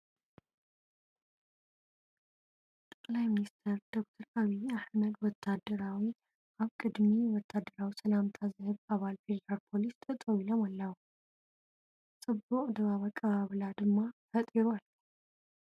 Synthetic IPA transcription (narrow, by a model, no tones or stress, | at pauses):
t̪ʼɐkʼlajminist̪ʰɐɾd̪̥o̞k̚t̪ʰɐɾaβiaħməd̪wɔt̪ʰːad̪ːɐɾawi | ʔaβkʼɨd̪miwɔt̪ʰːad̪ːɐɾawisɐlamt̪ʰazɨhɨβaβalfe̞d̪ɐɾaɾpʰo̞list̪ʰʼɐt̪ʼɐwilomɐlːawu | t͡sʼɨbːuʔʼd̪ɨβaβakʼɐβaβɨlad̪ɨmːafɐt̪ʼiɾual